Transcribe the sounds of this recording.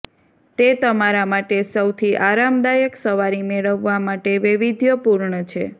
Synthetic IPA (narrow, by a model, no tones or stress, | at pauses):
t̪et̪əmaɾamaʈesəwt̪ʰiʔaɾamd̪ajəksəʋaɾimeɭəʋːamaʈeʋɪʋid̪ʱjəpuɾɳət͡ʃʰḛ